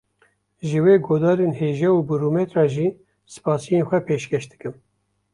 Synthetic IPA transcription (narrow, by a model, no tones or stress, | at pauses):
ʒɨweːɡoːd̪ɑːɾeːnheːʒɛuːbuɾumet̪rɑːʒiː | sɨ̥pɑːsijenxʷɛpʰeːʃkɛʃd̪ɨkɨm